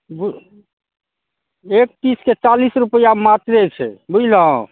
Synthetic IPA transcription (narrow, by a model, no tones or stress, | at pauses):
bu | ek̚t̪isket͡ʃalisɾupəjamat̪ɾet͡ʃʰɛbulɦɔ̃